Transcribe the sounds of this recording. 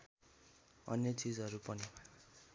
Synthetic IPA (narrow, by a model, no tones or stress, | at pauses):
ʌ̰njet͡sid͡zɦʌɾupʌni